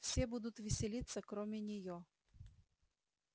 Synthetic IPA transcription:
fsʲebud̪ʊt̪vʲɪsʲɪlʲit̪səkɾomʲɪnʲɪjo

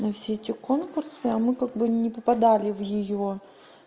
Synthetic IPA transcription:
nɐfsʲeɛtʲɪkonkʊrsɨɐmɨkaɡ̚bɨnʲɪpəpɐd̪alʲɪvjɪjo

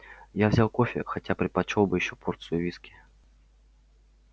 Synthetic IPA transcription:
jawzʲawkɔfʲɪ̰xatʲapɾɨt̪̚pat͡ʃɔwbɨjɪɕːɔpʰɔrt̪sɨjʊvʲiskʲi̥

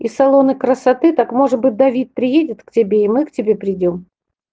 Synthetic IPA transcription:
isɐlˠo̞nɨkɾəsɐt̪ɨt̪akmo̞ʐɨt̪bɨt̚ʲd̪ɐvʲit̪̚pɾʲɪjedʲɪt̪ktʲɪbʲeimɨktʲɪbʲe̞pɾʲɪdʲom

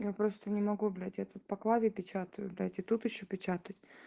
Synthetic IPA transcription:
japɾost̪ənʲɪmɐɡublʲatʲjat̪ut̪̚pɐklˠavʲɪpʲɪt͡ɕat̪əjʊblʲatʲɪt̪ut̪ɪɕːopʲɪt͡ɕat̪ətʲ

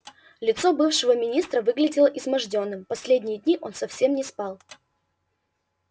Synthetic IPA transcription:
lʲɪt̪so̞bɨfʂɨvəmʲɪnʲist̪ɾəvɨɡlʲɪdʲɪlˠəʔɪzmɐʐdʲo̞nːɨmpɐsʲlʲedʲnʲɪjəd̪ʲnʲiʔo̞nsɐfsʲe̞mnʲɪspɑlˠ

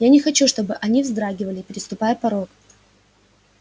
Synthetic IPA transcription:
janʲɪxɐt͡ɕuʂt̪o̞bɨʔɐnʲivzd̪ɾaɡʲɪvəlʲɪpʲɪɾʲɪst̪ʊpajəpɐɾo̞t̪

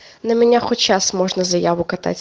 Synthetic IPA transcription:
nɐmʲenʲaxɔt͡ʃasmɔʒnɐzɐjaʋʊkɐt̪a̰tʲ

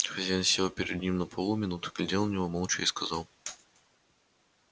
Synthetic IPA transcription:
xɐzʲansʲelˠpʲɪɾʲɪd̪nʲimnəpʰolˠumʲɪnut̪ʊ̥ɡ̥lʲɪdʲelnɐnʲɪvomolˠt͡ɕʊ̰iskɐzɑlˠ

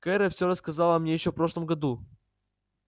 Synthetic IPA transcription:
kɛɾəfsʲoɾəskɐzalˠəɐmnʲejɪɕːofpɾoʂlˠəmɡɐd̪u

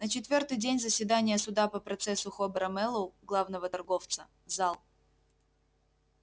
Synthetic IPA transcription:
nət͡ɕɪt̪vʲort̪ɨjdʲenʲzəsʲvʲɪd̪anʲɪjəsʊd̪apəpɾɐt̪sɛsʊxobəɾɐmɛlˠʊɡlˠavnəvət̪ɐrɡo̞ft̪sə | zalˠ

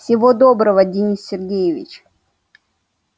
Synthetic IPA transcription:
sʲɪvod̪obɾəvədʲɪnʲisːʲɪrɡʲejɪvʲɪ̰t͡ɕ

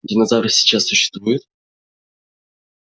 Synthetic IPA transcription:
dʲɪnɐzavɾəsʲɪ̥t͡ɕasːʊɕːɪ̥st̪vujʊt̪

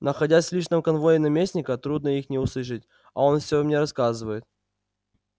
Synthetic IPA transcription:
nəxɐdʲasʲsʲlʲiʂnəmkɐnvo̞jɪnɐmʲesʲnʲɪkət̪ɾud̪nəixnʲɪʊslˠɨʂ̬ɨtʲ | ɐo̞nfsʲomnʲeɾɐskazɨvəjɪt̪̚

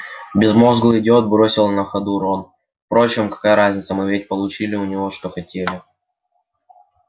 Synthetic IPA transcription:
bʲɪzmo̞zɡlˠɨdʲo̞t̪̚bɾo̞sʲɪlˠnəxɐd̪uɾon | fpɾo̞t͡ɕɪmkɐ̥kajəɾazʲnʲɪt̪səmɨvʲet̚ʲpəlˠʊt͡ɕilʲɪʊnʲɪvo̞ʂt̪o̞xɐtʲelʲɪ

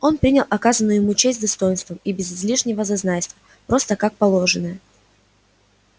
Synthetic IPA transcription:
o̞npɾʲinʲɪlˠʔɐkazənːʊjɪmut͡ɕesʲtʲd̪ɐst̪o̞jɪnst̪vəmibʲɪzɪzlʲiʂnʲɪvəzɐznajʲst̪və | pɾo̞st̪əkak̚pɐlˠo̞ʐɨnəjə

